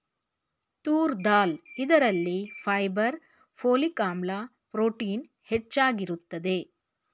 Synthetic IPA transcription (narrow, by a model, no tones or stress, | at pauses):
t̪uːɾd̪aːlid̪ɐɾɐlːipʰɐjbɐɾ | pʰoːlikaːmla | pɾoːʈiːn | het͡ʃːaːɡiɾut̪ːɐd̪e̞